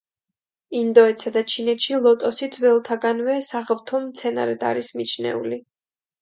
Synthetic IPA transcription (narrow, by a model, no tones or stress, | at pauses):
ind̪ɔɛt̪sad̪at͡ʃʰinɛt̪ʃilˠɔt̪ʼɔsid̪zwɛlˠt̪ʰaɡanvɛsaʁvt̪ʰɔmt̪sʰɛna̰ɾɛd̪a̰ɾismit͡ʃʰnɛ̰ṵli